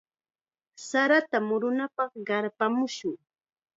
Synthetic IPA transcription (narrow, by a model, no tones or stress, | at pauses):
saɾat̪amʊɾʊnapɑχɢɑɾpamʊʃʊŋ